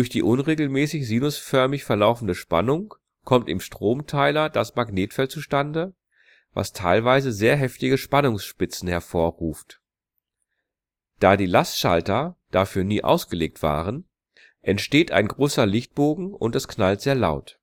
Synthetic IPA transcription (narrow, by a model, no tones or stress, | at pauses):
dʊɐçd̥iːʔʊnʁeːɡl̩mɛːsɪçziːnʊsfœɐmɪçfɛɐlaʊfn̩dəʃpa̰nʊŋ | kʰɔmtɪmʃtʁ̥oːmtʰaɪlɐd̥asmaɡneːtfɛlt͡suʃtandə | va̰stʰaɪlvaɪzəzeːɐɦɛftɪɡəʃpanʊŋsʃpɪt͡sn̩hɛɐfoːɐʁuːft | d̥aːdiːlastʃa̰ltɐd̥aːfyːɐniːʔa̰ʊsɡ̥əleːk̚tv̥a̰ːʁən | ʔɛntʃteːtʔa̰ɪnɡʁoːsɐlɪçt̚b̥oːɡŋ̩ʊ̰ntɛsknaltz̥eːɐlaʊt